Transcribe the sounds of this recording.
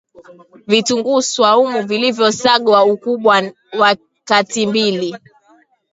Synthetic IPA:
vituŋɡuswaumuvilivjɔsaɠwaukuɓwa | wa | katimbili

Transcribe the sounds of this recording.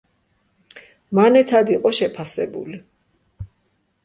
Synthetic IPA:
manɛt̪ʰad̪iqʼɔʃɛpʰasɛbṵli

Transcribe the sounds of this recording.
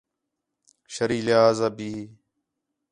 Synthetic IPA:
ʃəɾiːlɪaːzabiː

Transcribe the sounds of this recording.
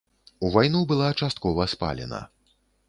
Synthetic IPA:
uvajnubɨlˠat͡ʂast̪̚kɔvɐspa̰lʲɛ̰nɐ̰

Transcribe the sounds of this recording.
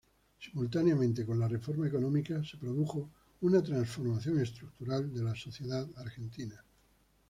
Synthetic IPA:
simult̪aneamẽnt̪e̞ko̞nlare̞fo̞ɾmaeko̞nõ̞mikase̞pɾo̞ðuxo̞ | unat̪ɾansfo̞ɾmaθjo̞ŋe̞st̪ɾuk̚t̪uɾald̪e̞laso̞θje̞ðaðaɾxe̞nt̪ina

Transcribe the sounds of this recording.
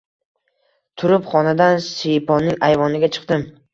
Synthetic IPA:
t̪ʰʊɾɪpχɒnad̪ansijpʰɒnːɪŋajvɒnɪɡʲat͡ʃʰɨ̥qt̪ɪm

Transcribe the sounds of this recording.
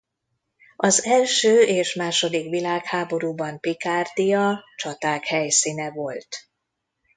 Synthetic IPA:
ɒzɛlʃøːeːʃmaːʃo̞d̪ikʋilaːkhaːbo̞ɾuːbɒmpikaːrd̪ijɒt͡ʃɒt̪aːkhɛjsiːnɛvo̞lt̪

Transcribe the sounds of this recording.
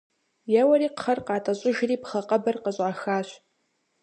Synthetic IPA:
jɛwɐɾiːqχɐrqɑːtʼɐɕʼʊʒɪriːpχɐqʼɐbɐrqəɕʼʕaːxaːɕ

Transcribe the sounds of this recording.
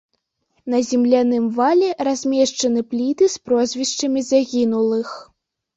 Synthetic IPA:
n̪ɐzʲɛmlʲanɨmvalʲɛɾazʲmʲɛʂt͡ʂɐnɨplʲit̪ɨspɾɔzʲvʲiʂt͡ʂɐmʲizaɣʲinulˠɨx

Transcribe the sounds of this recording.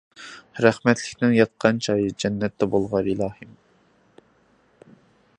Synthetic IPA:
ɾæχmɛt̪ʰlɪkʲnɪŋjɑt̪̚qʰɑnt͡ʃʰɑːjɨd͡ʒɛnːɛt̪ʰːɛbolˠʁɑɾilˠɑːhɨm

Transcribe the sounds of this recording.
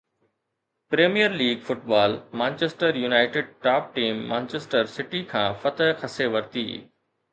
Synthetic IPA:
pɾeːmijəɾliːɡfʊʈbaːlmãːnt͡ɕeːsʈəɾjunaːɪʈɪɖ̚ʈaːp̚ʈiːmːãːnt͡ɕeːsʈəɾsɪʈikʰãːfɐt̪əɦxɐseʋɐɾt̪ḭː

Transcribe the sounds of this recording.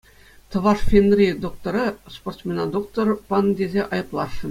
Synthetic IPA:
t̪ɤ̆ʋɑʂfʲenrʲid̪ok̚t̪oɾɤsport̪smʲenɑd̪ok̚t̪orpɑnd̪ʲezʲeʔɑjɤ̆plˠɑʂɤ̆

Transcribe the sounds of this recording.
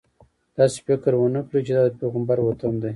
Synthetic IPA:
d̪̥ɑse̥fɪkɾwənəklit͡ʃed̪ɑd̪əpeɣəmbɑɾwot̪əmd̪aj

